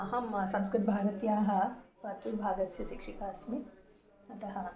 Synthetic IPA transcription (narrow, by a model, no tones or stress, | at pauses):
ɐɦɐmsɐ̃mskɾɪt̪̚bʱaːɾɐt̪jaːɦɐ̆pɐt̪uɾbʱaːɡɐsjɐsikʂikaːsmi | ɐt̪ɐɦɐ̆